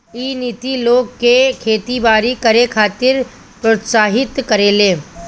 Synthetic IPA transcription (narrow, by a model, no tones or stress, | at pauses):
iːnit̪iloːɡkekʰeːt̪ibaːɾikɐɾekʰaːt̪ɪɾ | pɾot̪saːɦɪt̪kəɾeːleː